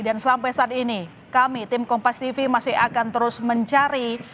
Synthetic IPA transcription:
dansampajsaːt̪̚ini | kamit̪ɪmkɔmpast̪ifimasɪhakant̪əɾʊsməɲt͡ʃaɾi

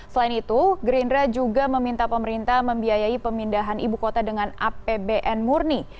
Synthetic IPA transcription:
səlainit̪uɡɾindɾad͡ʒuɡaməmint̪apəməɾint̪ahməmbiajaipəmindaɦanibukot̪adəŋanʔapebeʔɛnmurni

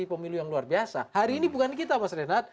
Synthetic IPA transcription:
ipəmilujaŋluarbiasa̰haɾiːnibukank̬it̪amasɾenat̪̚

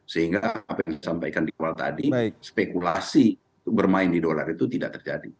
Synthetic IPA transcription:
səhiŋɡaːpajaŋsampajkandiawalt̪a̰dispekulasi | bərmaɪndidola̰rit̪ut̪idaʔt̪ərd͡ʒadi

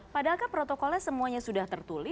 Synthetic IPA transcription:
padakapɾɔt̪ɔkɔlɛsəmuaɲasudaht̪ərt̪ulɪ

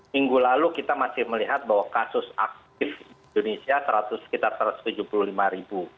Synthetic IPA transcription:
miŋɡulalukit̪amasɪhməliɦat̪̚baɦwakasʊsa̰k̚tt̪̚ɪfdiindonesiasəɾat̪ʊsːə̥kit̪arsəɾat̪ʊ̥st̪ud͡ʒupuluhlimaɾibu

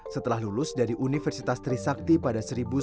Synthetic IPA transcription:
sət̪əlahlulʊsdaɾiʔunifɛrsit̪ast̪ɾisak̚t̪ipadasəɾibu

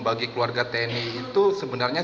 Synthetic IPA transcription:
baɡikluarɡat̪ɛniːt̪usəbənarɲa

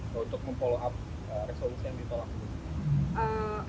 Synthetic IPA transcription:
unt̪ʊk̚məmpoloʔap̚ | əresolusijaŋdit̪olɔŋ | ʔə

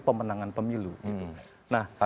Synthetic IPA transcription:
pəmənaŋanpəmiluɡit̪u | nahha

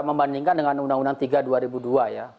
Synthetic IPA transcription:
məmbandiŋkandəŋanundaŋundaŋt̪iɡaduaɾibuduaja

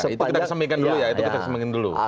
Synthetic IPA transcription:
it̪ukit̪akkəsəmbakandulujait̪ukit̪akəsəmbikandulṵ

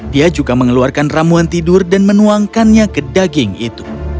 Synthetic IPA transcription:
diad͡ʒuɡaməŋəluarkanramuant̪idʊrdanmənuaŋkanɲakədaɡɪŋḭt̪u

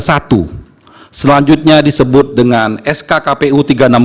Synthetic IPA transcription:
sat̪u | səlaɲd͡ʒʊt̪̚ɲadisəbʊt̪̚dəŋanɛskakapeut̪iɡaənam

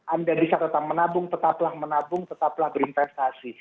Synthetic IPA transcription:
ʔandabisaɾət̪aŋmənabʊŋt̪ət̪aplahmənabʊŋt̪ət̪aplahbəɾinfɛst̪asi

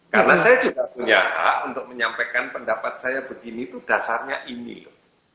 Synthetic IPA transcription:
karənasajad͡ʒuɡapuɲaɦa̰unt̪ʊk̚məɲampekanpəndapat̪̚sajabəɡinit̪ud̥asarɲaʔinḭlʊh

